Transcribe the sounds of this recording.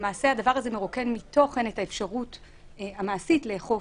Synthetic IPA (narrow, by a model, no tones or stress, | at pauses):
maːse̞adavaʁaze̞meʁokenmito̞χe̞netaefʃaʁut | amaːsitleːχo